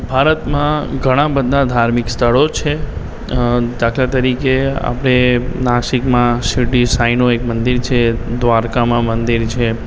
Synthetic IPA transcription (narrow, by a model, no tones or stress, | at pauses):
bʱaɾət̪mãɡʱəɽ̃ãbəd̪ʱãd̪ʱaɾmikst̪ʰəɭot͡ʃʰe | d̪akʰlat̪əɾikea̰pəɽ̃enaʃikmãsiʈisainoekmənd̪iɾt͡ʃʰed̪ʋaɾkamãmənd̪iɾt͡ʃʰe